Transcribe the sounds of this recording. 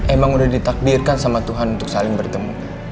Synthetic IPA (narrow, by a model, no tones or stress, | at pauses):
emaŋudahdit̪ak̚dirkansamat̪uɦanunt̪ʊk̚salɪŋbərt̪əmu